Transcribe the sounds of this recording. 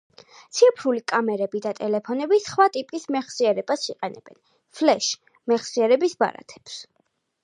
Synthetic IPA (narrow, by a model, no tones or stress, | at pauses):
t̪sʰiɛpʰɾulikʼamɛɾɛbid̪at̪ʼɛlɛpʰɔnɛbisχwat̪ʼipʼismɛχsiɛɾɛb̥asiqʼɛnɛ̰b̥ɛ̰n | fʰlɛʃ | mɛχsiɛɾɛbisba̰ɾa̰t̪ʰɛ̥ps